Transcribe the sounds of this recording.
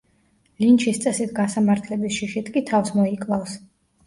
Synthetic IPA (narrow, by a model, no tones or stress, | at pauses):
lint͡ʃʰist̪sʼɛsit̪ʰɡasamaɾt̪ʰlɛbisʃiʃit̪ʰkʼit̪ʰafsmɔikʼlˠafs